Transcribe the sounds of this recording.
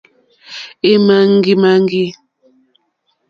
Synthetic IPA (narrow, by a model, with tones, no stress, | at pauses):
e˦ma˦ŋ˦ɡi˦ma˦ŋ˦ɡi˦